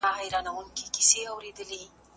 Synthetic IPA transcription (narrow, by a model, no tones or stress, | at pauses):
aɦajɾɑnawəŋkeki̥seawɾed̪əli